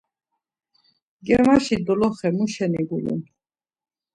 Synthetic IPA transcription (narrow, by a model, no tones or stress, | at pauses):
ɡɛmaʃid̪ɔlɔχɛmuʃɛniɡulṵn